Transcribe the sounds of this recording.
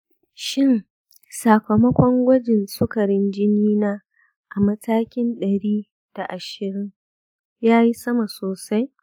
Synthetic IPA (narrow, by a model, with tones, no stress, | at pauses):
ʃɪ˦n | sa˨kɐ˨mɐ˦kʷɔ˦ŋɡʷɐ˦d͡ʒɪ˨nsʊ˦kɐ˨ɽɪ˦nd͡ʒɪ˦niː˦naː˦ | ʔa˨mɐ˦tʰaː˦kʲɪ˦nɗɐ˨ɽiː˦ | d̥a˨ʔa˨ʃɪ˨ɾɪ˦ŋ | jaː˦ji˦sɐ˦ma˨soː˨sa˦j